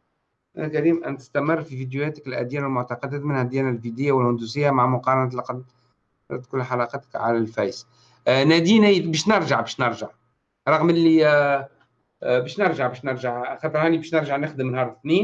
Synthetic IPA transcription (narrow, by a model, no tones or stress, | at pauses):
ʔæ̰nækæɾiːmʔænt̪ə̥st̪æmərˤːfivid̪juhæːt̪ə̥kɪlʔæ̰d̪jæːnwɪlmʊʕt̪ɑqɑd̪æːt̪mɪnhæd̪jæːnælfid̪ɪjːawɪlhʊnd̪usɪjːamaʕmʊqɑːɾˤɑnæt̪lɑqɑd̪ | ɑt̪ːkʊlːħalɑqɑt̪ə̥kʕa̰lælfæjs | næd̪iːnæjbɛːʃnəɾˤʒaʕbæːʃnəɾˤʒaʕ | ɾˤɑɣmɪlːi | bæːʃnɾˤʒaʕbæːʃnəɾʒaʕxɑt̪ˤɾˤhæːnibæʃnəɾˤʒaʕnɪxd̪əmnhɑːɾˤθniːn